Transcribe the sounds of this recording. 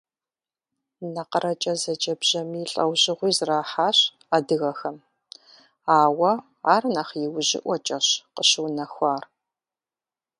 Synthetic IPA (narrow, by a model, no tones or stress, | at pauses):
nɐqəɾɐt͡ʃʼɐzɐd͡ʒʼɐbʒ̥ɐmiːɬʼɐ̰wʑɪʁʷiːzraːħaːɕ | adɨɣɐxɐm | aːwɐ | aːrnɐχjɪwʒɪ̰ʔʷɔt͡ʃʼɐɕqəɕɨwnɐxʷaːr